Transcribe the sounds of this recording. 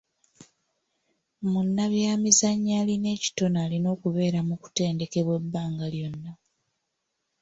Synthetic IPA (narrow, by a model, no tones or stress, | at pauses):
munːaβjaːmizaɲːaːline̞ːci̥to̞naːlino̞ːkuβe̞ːɾamuku̥te̞ːnde̞ke̞βwe̞bːaːŋɡaljo̞nːa